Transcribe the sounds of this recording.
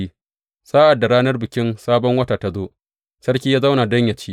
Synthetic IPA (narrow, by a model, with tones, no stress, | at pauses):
i˦ | saː˦ʔa˨dːa˨ɽaː˦nɐ˦rbɪ˨kʲɪ˦nsaː˦bɔ˦ŋwɐ˦taː˨ta˦zoː˦ | sɐ˦rkʲiː˦jaː˦za˦wna˨dɐ˦ɲjɐ˨t͡ʃiː˦